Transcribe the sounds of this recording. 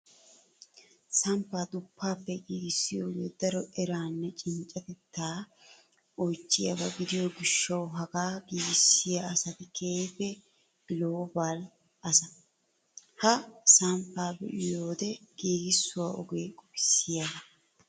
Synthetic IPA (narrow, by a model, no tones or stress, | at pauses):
sɐmpːaːd̪ʊpːaːpːɛɡiːɡɪsːɪjoːɡeːd̪ɐɾɔʔɛɾaːnːɛt͡ʃʼɪnt͡ʃʼːɐt̪ɛt̪ːaː | ɔjt͡ʃʼːɪjɐ̰bɐɡɪd̪ɪjoːɡɪʃːɐwɦɐɡaːɡiːɡɪsːɪjaɐsɐt̪ɪkʰeːjfɛ | loːbaːl | ʔɐsɐ | hɐsɐmpːaːbɛ̰ʔɪjo̞ːd̪ɛɡ̥iːɡɪsːʊwaːʔɔ̰ɡe̞ːkʼɔpɪ̥sːɪjaːdɐ